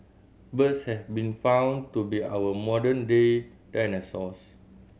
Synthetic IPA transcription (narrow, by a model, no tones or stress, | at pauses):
bəshɛfbĩnfãw̃ntubia̰wəmɔdənde | d̥ajnəsɔs